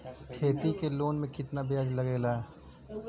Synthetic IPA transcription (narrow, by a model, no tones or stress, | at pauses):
ʈʰeːt̪ikeloːnmẽkɪt̪nabjaːd͡ʒlɐɡeːlaːɛ